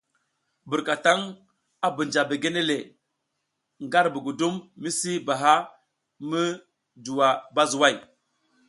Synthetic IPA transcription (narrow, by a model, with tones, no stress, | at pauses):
bu˨ɾka˨ta˦ŋ | a˦bu˨nd͡ʒa˨be˨ɡe˦ne˦le˨ | ŋɡa˦ɾbu˨ɡu˨du˦mːi˦si˦ba˨ɦa˦ | mə˦ | du˨wa˨ba˦zu˨wa˦˨j